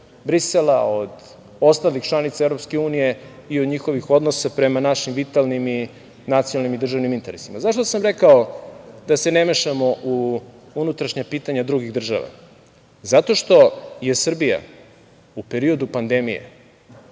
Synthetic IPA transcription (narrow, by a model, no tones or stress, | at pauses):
bɾiselaod̪ | o̞st̪alixt͡ʃlˠanit̪saevɾopske̞uːnije̞iod̪ɲixo̞ʋixo̞d̪nosapɾe̞manaʃimʋit̪alˠnimi | nat̪sijonalnimid̪r̩ʒaʋnimint̪e̞ɾesimazaʃt̪osamɾe̞kaod̪ase̞nemeʃamo̞ʔu | unut̪ɾaʃɲapiːt̪aɲad̪ɾuɡiɣd̪r̩ʒa̰ʋa̰ | zat̪o̞ʃt̪o̞jesr̩bija̰ | upe̞ɾio̞d̪upand̪e̞mijḛ